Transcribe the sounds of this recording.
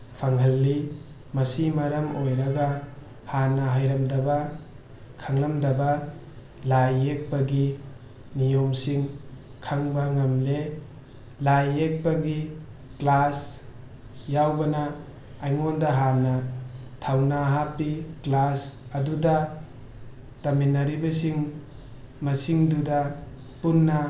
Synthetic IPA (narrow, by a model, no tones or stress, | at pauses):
pʰaŋɦɐlːi | mɐsimɐɾɐmojɾɐɡɐ | haɾnɐɦajɾɐmdɐbɐ | kʰaŋlɐmdɐbɐ | lajek̚pɐɡi | nijomsiŋ | kʰaŋbɐŋɐmle | lajek̚bɐɡi | klas | jawbɐnaː | jŋondɐɦanɐtʰawnaɦapːiklasɐduda | taminaɾibasiŋ | masiŋduda | punːɐ